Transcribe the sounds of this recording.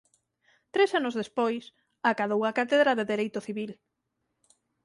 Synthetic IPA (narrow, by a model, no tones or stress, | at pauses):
t̪ɾesanʊzðespojs | akaðowakat̪eðɾaðeðeɾejt̪ʊθiβil